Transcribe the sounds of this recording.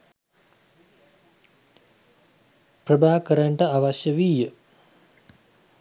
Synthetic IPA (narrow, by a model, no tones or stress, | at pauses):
prəbʱaːkəɾaɳʈəaʋaʃjəʋiːjə